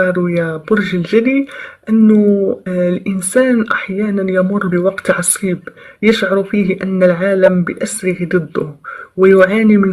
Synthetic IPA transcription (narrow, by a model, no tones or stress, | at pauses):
ɑɾˤwjaæbʊɾʒəlʒæd̪id̪ʔənːʊ | lʔənsæːnʔaħjæːnænjamʊrˤːbəwɑqt̪ʕɑsˤiːbjəʃʕɑɾˤufihʔænːəlʕaːləmbəʔæsɾəhid̪ˤɨd̪ˤːʊ̰wəjʊʕaːnimən